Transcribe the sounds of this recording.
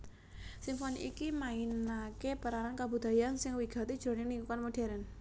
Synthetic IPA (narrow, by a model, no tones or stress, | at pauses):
simfonḭikimainakepəɾaɾankabṳd̪̥a̤jansɪŋwiɡ̥a̤t̪id̥ʒ̥ɾo̤nɪŋniŋkukanmoɖ̥ɛ̤ɾən